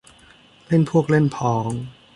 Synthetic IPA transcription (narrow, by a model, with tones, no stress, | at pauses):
le˥˩npʰu˥˩ək̚le˥˩npʰɔː˩˦ŋ